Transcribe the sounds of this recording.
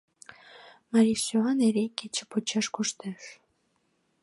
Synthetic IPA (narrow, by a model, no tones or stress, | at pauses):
mɑɾʲiʃsyɑneɾekːet͡ɕə̆pot͡ɕɑʃkuʃt̪eʃ